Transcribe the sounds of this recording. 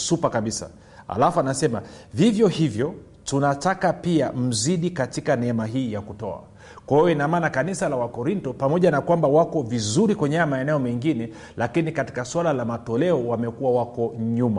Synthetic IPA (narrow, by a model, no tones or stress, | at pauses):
supakaɓisa̰ | a̰lafuanasɛma̰vivjɔhivjɔ | tunatakapiam̩ziɗikatikanɛɛmaɦiːjakutɔa̰ | kwahijɔinamaːnakanisalawakɔɾintɔpamɔʄanakwambawakɔvizuɾikwɛɲɛamaɛnɛɔmɛŋɡinɛ | lakinikati̥kaswalalamatɔlɛɔwamɛkuwawakɔɲuma̰